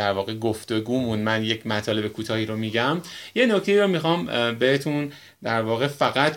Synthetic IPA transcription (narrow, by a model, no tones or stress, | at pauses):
æɾvɒːɣeɡo̞ft̪o̞ɡuːmund̪mænjecʰmæt̪ʰɒːle̞bekʰuːt̪ʰɒːhiːɾomiɟæmje̞no̞cʰt̪e̞iːɾomixɒːmbehet̪ʰũn | d̪æɾvɒːɣe̞fæɣæt̪